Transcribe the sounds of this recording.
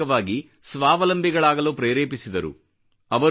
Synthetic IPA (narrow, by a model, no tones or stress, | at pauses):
ɐʋaːɡi | sʋaːʋɐlɐmbʱiɡɐɭaːɡɐloːpɾeːɾeːpisid̪ɐɾṵ | ɐʋɐ